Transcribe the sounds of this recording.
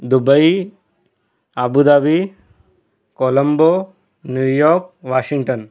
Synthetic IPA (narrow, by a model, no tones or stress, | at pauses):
d̪ubəj | abud̪abi | kolɐmbo | njujɔɾkʋaʃiŋʈən